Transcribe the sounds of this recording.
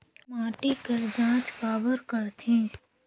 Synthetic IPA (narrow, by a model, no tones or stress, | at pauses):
maːʈikəɾd͡ʒãːt͡ʃkaːbəɾkəɾt̪ʰẽː